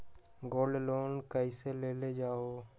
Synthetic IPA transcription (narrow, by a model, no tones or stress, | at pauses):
ɡoːlɖloːnkəiseleːled͡ʒaːoː